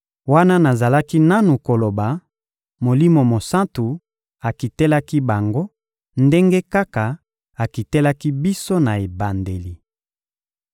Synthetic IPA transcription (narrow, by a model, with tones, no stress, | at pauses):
wa˦na˦na˨za˨la˦ki˦na˦nu˨ko˨lo˨ba˨ | mo˨li˦mo˨mo˨sã˦ntu˨ | a˨ki˨te˦la˦ki˦ba˨ŋɡo˦ | nde˦ŋɡe˦ka˦ka˨ | a˨ki˨te˦la˦ki˦bi˦so˦na˨e˨ba˨nde˨li˨